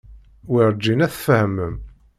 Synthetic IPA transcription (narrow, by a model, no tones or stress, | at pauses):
wiɾˤd͡ʒːinæθfəhmːəm